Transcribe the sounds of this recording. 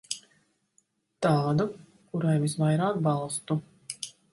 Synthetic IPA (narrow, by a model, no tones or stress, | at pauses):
t̪aːd̪u | kuɾajvisvajɾaːk̚bɑlˠst̪u